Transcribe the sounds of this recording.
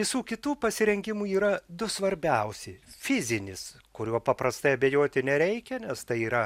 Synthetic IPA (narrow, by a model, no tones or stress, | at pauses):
ʋʲɪsuːkʲɪt̪uːpɐsʲɪɾʲɛŋʲɡʲɪmuːiːɾɐd̪ʊsʋɐɾʲbʲɛʊsʲɪfʲɪzʲɪnʲɪs | kʊɾʲuɔpɐpɾɐst̪ɐɪɐbʲejoːt̪ʲɪnʲɛɾʲɛɪkʲɛnʲɛst̪ɐɪiːɾɐ